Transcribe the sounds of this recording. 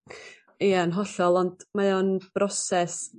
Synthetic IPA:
ijanɦɔɬɔlˠɔnd̥majonb̥rɔsɛs

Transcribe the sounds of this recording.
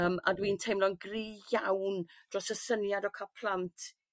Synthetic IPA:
əma̰dwiːntʰejmlɔnɡriːjawnd̥rɔsəsənjadɔkʰapʰlˠantʰ

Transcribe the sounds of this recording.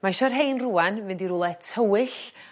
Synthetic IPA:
maʃɔrɦejnruːanmɨndiɾulˠɛtʰəwɨɬ

